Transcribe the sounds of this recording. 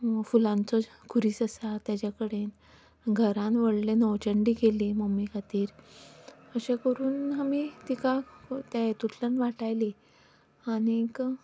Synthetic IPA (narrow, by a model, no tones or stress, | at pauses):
fulãnt͡sɔ | kʰuɾiːsəsat̪jat͡ɕakəɽen | ɡʱəɾãnʋəɽlenɔwt͡ɕəɳɖiːkeliməmːikʰat̪iːɾ | əɕẽkəɾuːnɦamit̪ikat̪at̪ut̪ʰlənʋaʈajli | anik